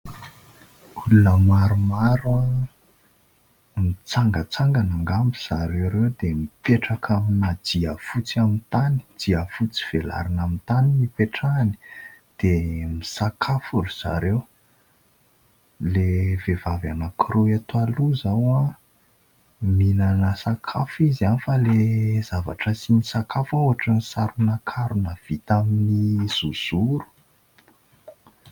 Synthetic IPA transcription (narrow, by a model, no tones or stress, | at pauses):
ulunəmaɾumaɾua | mit͡saŋɡət͡saŋɡanaŋɡambiz̥aɾewɾewd̪emipeʈ͡ʂakʰaminad̪̥iafut͡siamint̪ani̥d̥iafut͡si̥v̥ela̰ɾinamint̪animipeʈ͡ʂani̥d̪̥emisakʰafuɾiz̥a̰ɾew | levevavanakʰiɾuat̪ualuzawa | minanəsakʰafizanifəlez̥ava̰ʈ͡ʂəsinisakafaoaʈ͡ʂənisaɾunakʰaɾunav̥it̪aminiz̥uz̥uɾu̥